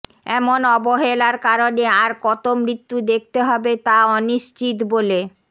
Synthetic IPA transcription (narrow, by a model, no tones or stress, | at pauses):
ɛmonɔboɦelaɾkaɾoneaɾkɔt̪omɾit̪ːud̪ek̚ʰt̪eɦɔbet̪aɔniʃt͡ɕit̪bole